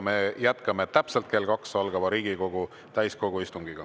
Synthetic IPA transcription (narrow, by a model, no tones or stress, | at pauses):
mejæt̪kɑmet̪ːæpselt̪ke̞lkɑksɑlɡ̥ɑvɑɾiːɡ̥iko̞ɡ̥u | t̪æjsko̞ɡ̥uist̪uŋɡ̥iɡ̥ɑ